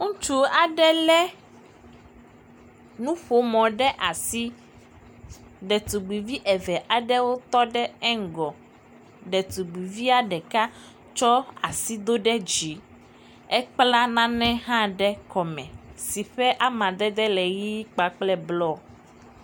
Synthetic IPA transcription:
ŋũ˦t͡ʃu˦a˨ɖɛ˦lɛ˦ | nũ˦ɸo˨mɔ̃˨ɖɛ˦ʔa˨si˦ | ɖɛ˨t̪u˨ɡ͡bi˨vi˦ʔɛ˨vɛ˨ʔa˨ɖɛ˦wo˦t̪ɔ˦ɖɛ˦ɛ˦ŋ̩˨ɡɔ˨ | ɖɛ˨t̪u˨ɡ͡bi˨vi˦a˦ɖɛ˨ka˦ | t͡ʃɔ˦a̰˨si˦d̪o˦ɖɛ˦d͡ʒi˨ | ɛ˦k͡pla˦nã˦nɛ̃˦ɦã˦ɖɛ˦kɔ˨mɛ̃˨si˨ɸɛ˦ʔa˦mã˨d̪ɛ˦d̪ɛ˦lɛ˨ji˦k͡pa˨k͡plɛ˦blɔ˦

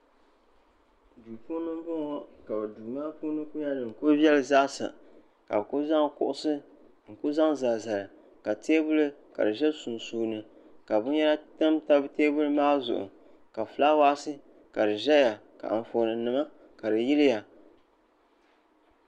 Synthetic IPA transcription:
duː˨pu˦nɨ˦m˦bʊ˦ŋɔ˦ka˨bɨ˨duː˨maː˦puː˦nɨ˦kʊ˦ɲa˦nɨ˨ŋ̩˨ko˦bɛ˦lɨ˨zaː˦sa̰˨ | ka̰˨bku˦za˦ŋkʊ̰˦ʔʊ˦sɨ˦ | ŋ̩˨kʊ˦za˦ŋza˨za˨lɨ˨ | ka˨te˦bʊ˦lɨ˦ka̰˨dɨ˨ʒɛ˦su˨n˨suː˨nɨ˨ka˨bʊ˦jɛ˦la˦tɨ˦mta˦bɨ˦teː˦bʊ˦lɨ˦maː˦zʊ̰˨ʔʊ̰˨ | ka˨fɨ˨la˦wa˦sɨ˦ | ka˨dɨ˨ʒɛ˦ja˨ka̰˨ʔa˨ɱ˨fo˨nɨ˨nɨ˨ma˦ | ka˨dɨ˨jɪ˦lɪ˦ja˨

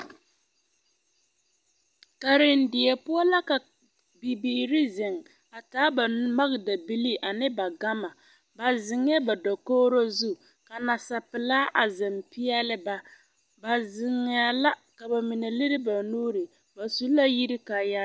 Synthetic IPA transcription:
ka˨ɾɪ˨n˦dɪ˨ɛ˨pʊ˦ɔ˦la˦ka˨ | bi˨biː˨ɾɪ˦zɪ˨ŋ | a˨taː˦ba˨ma˦ɣɪ˨da˨bi˦li˦ʔa˨nɪ˦ba˨ɡa˦ma˨ | ba˨zɪ˨ŋ˦ɛ˦ba˨dɔ˨koː˦ɾo˦zu˦ | ka˨na˨sa˨pɪ˨laː˦ʔa˨zɪ˨mpɪ˦ɛ˦lɪ˦ba˦ | ba˨zɪ˨ŋː˨a˨la˦ka˨ba˨mi˨ne˨lɪ˦ɾɪ˦ba˨nuː˦ɾɪ˨ | ba˨su˦la˦ji˦ɾɪ˦ka˨ja˦

